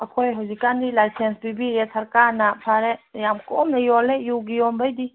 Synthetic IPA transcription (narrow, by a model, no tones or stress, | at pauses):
ɐkʰojɦozikand̪ilaːjsensbibiɾɛsɐɾkaːɾnapʰaɾɛjamkomnɐjoːlejuɡiombəjd̪i